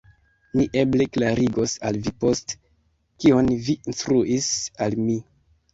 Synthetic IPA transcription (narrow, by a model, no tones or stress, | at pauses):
miʔe̞ble̞klaɾiɡo̞salvipo̞st | kionviinstɾuʔisalmi